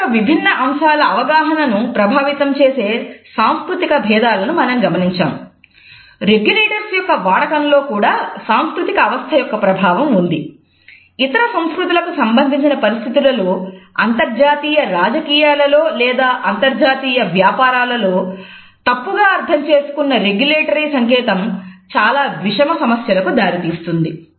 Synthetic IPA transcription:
ʋibʱinːɐʔɐmʃaːlɐːʋɐɡaːɦɐnɐnupɾɐbʱaːʋit̪ɐmt͡ʃe̞ːse̞ːsaːmskɾut̪ikɐbʱɛːd̪aːlɐnumɐnɐmɡɐmɐniɲt͡ʃa̰ːm | ɾeɡjuleːʈɐɾsjɔkːɐʋaːɽɐkɐnlo̞ːkuːɽaːsaːmskɾut̪ikɐːʋɐst̪ʰɐjɔkːɐpɾɐbʱaːʋɐmund̪i | it̪ɐɾɐsɐ̃mskɾut̪̬ilɐkusɐmbɐnd̪ʱiɲt͡ʃinɐpɐɾist̪ʰit̪ilɐloːɐnt̪ɐɾd͡ʒaːt̪iːjɐɾaːd͡ʒɐkiːjaːlɐlo̞ːlɛːd̪aːʔɐnt̪ɐɾd͡ʒaːt̪iːjɐʋjaːpaːɾaːlɐlo̞ː | t̪ɐpːuɡaːɐɾt̪ʰɐmt͡ʃe̞ːsu̥kunːɐɾe̞ɡjuleːʈɐɾisɐŋkɛːt̪ɐmt͡ʃaːlaːʋiʂɐmɐsɐmɐsjɐlɐkud̪aːɾit̪iːst̪und̪i

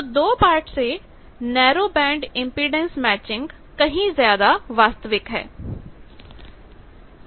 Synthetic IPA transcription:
d̪oːpaːɾʈse | nɛːɾoːbɛ̃ːɳɖɪ̃mpɾiɖɛ̃nsmɛːt͡ʃɪ̃ŋɡ | kɐɦĩzjaːd̪aʋaːst̪əʋɪkɦɛ̰ː

